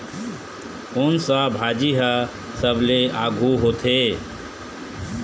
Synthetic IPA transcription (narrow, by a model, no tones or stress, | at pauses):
ʊnsə̃bʱad͡ʒiɦə | səbʱleaɡʱuɦot̪ʰe